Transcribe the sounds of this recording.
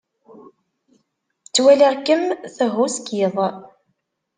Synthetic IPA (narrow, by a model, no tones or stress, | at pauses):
t͡sːwælaʁkːəmθəɦʊskiðˤ